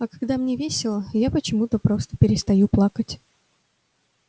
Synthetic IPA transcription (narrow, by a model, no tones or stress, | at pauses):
ɐkɐɡd̪amnʲevʲesʲɪlˠəjapət͡ɕɪmut̪əpɾo̞st̪ə̥pʲɪɾʲɪst̪ɐjuplˠakətʲ